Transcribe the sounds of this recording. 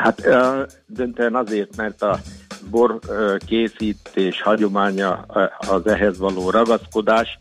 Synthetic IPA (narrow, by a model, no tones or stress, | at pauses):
hat̪ | d̪ønt̪øɛnɒzeːrt̪mɛrt̪ɒbo̞rkeːsiːt̪eːʃhɒɟo̞maːɲɒ̰ːzɛɦɛzʋɒloːɾɒɡɒsko̞d̪aːʃ